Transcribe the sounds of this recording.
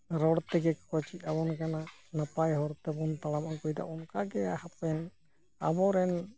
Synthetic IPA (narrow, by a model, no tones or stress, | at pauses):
ɾɔɽt̪ɛɡɛkkɔt͡ʃit̪̚ˀabɔnkananapajɦɔɾt̪ɛbɔnt̪alamankɔjd̪a̰ʔɔnkaɡɛahapɛn | a̰bɔɾɛn